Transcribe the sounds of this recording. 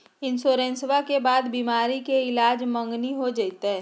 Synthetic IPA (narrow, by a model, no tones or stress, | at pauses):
ɪnsoːɾẽnswakebaːd̪biːmaːɾikeɪlaːd͡ʒmə̃ŋɡniɦod͡ʒaɪt̪eɦɛ̃ː